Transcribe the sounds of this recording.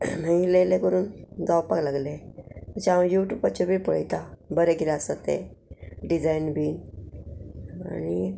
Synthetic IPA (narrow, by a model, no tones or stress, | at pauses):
ailelekəɾuːnd͡zawpaklaɡlemət͡ɕajuʈjuːpat͡ɕɔbʱipəɭjt̪abəɾeɡiɾasət̪ḛɖid͡zainbiːn | a̰ni